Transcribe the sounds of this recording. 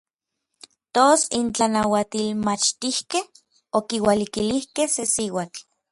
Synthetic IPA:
t̪osint͡ɬanawat̪ilmat͡ʃt̪ihkeh | okiwalikilihkehsesiwat͡ɬ

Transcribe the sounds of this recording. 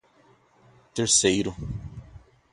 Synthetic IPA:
t̪eɾsejɾʊ

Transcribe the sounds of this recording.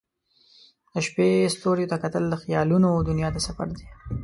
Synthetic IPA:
d̪̥əʃpest̪oɾjot̪akat̪əld̪əxjɑlunod̪ʊnjɑt̪asafa̰ɾd̪i

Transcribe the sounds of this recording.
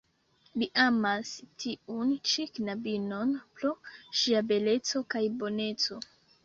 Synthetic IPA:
liʔamastiunt͡ʃiknabino̞npɾoʃiabe̞le̞t͡so̞kajbo̞ne̞t͡so̞

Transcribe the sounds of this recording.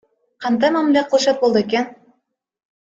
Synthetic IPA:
qɑnd̪ɑjmæmliæqʰɤlˠʃɑt̪̚bolˠd̪ɤekʲæn

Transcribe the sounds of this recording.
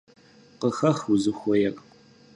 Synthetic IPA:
qəxɐχwuzɨxʷɔjɛkʼ

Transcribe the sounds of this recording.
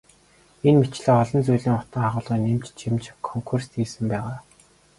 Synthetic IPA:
enmet͡ɕɮeːɔɮɞ̆nt͡sujɮiːŋʊt̪ə̆ŋaʁʊːɮʁiːnemt͡ɕt͡ɕʰimt͡ɕkʰɔŋkʰurst̪iːsɘ̆mpæːʁaː

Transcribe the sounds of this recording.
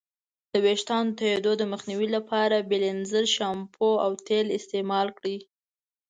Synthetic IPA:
d̪̥əweʃt̪ɑnot̪ajed̪od̪əməxniwilapʰɑɾabelɪnzəɾʃɑmpʰoawt̪elɪst̪emɑlkɽi

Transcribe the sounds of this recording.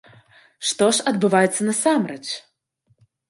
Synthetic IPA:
ʂt̪ɔʂɐd̪bɨvajɛt̪sːɐnɐsamɾɛt͡ʂ

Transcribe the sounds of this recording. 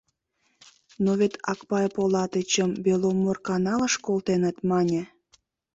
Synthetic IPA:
noβet̪ʰɑkpɑjpolɑt̪ət͡ɕəmbelomːorkɑnɑləʃkolˠt̪enə̆t̪mɑnʲe

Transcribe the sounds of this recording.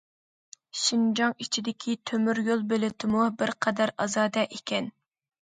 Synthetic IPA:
ʃind͡ʒɑŋit͡ʃʰid̪ɪkʲʰit̪ʰømyɾjolˠbelɪt̪ʰɪmubɪɾqʰɑd̪æɾɑzɑːd̪ɛʔekʲɛn

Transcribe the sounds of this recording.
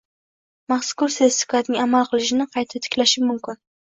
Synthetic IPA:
maχskʊɾsest̪ɪ̥kʰɒt̪nɪŋamalˠqʰɨlˠɪʃɪnɪqʰɑjt̪ʰɪp̚t̪ʰɪ̥kʲlaʃɪmʊmkʲɪn

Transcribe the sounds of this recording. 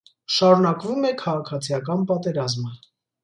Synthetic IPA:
ʃɑɾunɑkvumɛkʰɑʁɑkʰɑt͡sʰijɑkɑnpɑt̪ɛɾɑzmə

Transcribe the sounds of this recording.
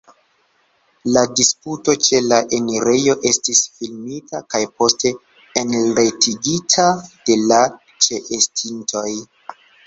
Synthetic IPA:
ladisputo̞t͡ʃe̞laʔe̞niɾe̞jo̞ʔe̞stisfilmitakajpo̞ste̞ː | nɾe̞tiɡitʰad̥e̞la | t͡ʃe̞ʔestʰintʰo̞j

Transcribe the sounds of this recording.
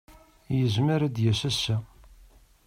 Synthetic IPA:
jəzməɾæd̪jæsæsːæ

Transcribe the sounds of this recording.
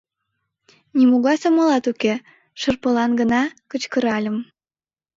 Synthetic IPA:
nimuɣɑsomɤlɑt̪uke | ʃərpəlɑnɡənɑkət͡ɕkəɾɑlʲə̆m

